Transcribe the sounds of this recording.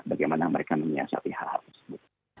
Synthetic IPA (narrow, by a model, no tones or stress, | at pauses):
baɡajmanaməɾekaməɲia̰sa̰p̪iha̰lha̰lt̪ərsə̥bʊt̪̚